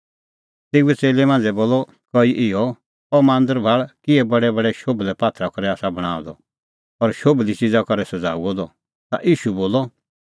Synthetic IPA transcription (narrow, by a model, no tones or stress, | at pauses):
t̪ɪɡɛt͡seːlɛmãːnd͡zɛboːlɔ | kɔiʔɪɔ | ɔmãːnd̪əɾbʱaːɭkɪɛbɐɽɛbɐɽɛʃoblɛpaːt̪ʰɾakɔɾɛaːsabɐɽ̃a̰ːd̪ɔ̰ | ɔːɾʃoblit͡sɪd͡zakɔɾɛsɐd͡za̰ːuɔd̪ɔ | t̪a̰ʔiːʃuboːlɔ